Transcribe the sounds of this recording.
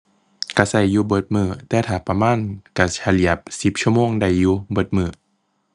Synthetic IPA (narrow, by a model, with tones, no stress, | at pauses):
ka˧˩sa˧˩jːuː˧˦bɤ˧˩t̪̚mɯː˧˩t̪ɛː˧˦t̪ʰaː˨˩pa˧maː˧˥˨nka˧˩t͡ɕʰa˧li˧˩əp̚si˨˧˦p̚t͡ɕʰu˦˥əmoː˧˨ŋda˧˩jːuː˧bɤ˧˩˦t̪̚mɯː˧˩